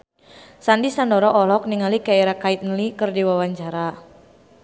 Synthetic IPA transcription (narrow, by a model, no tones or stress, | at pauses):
sandisandɔɾɔʔɔlɔk̚niŋalikaiɾakait̪̚nəlikɨrdiwawaɲt͡ʃaɾa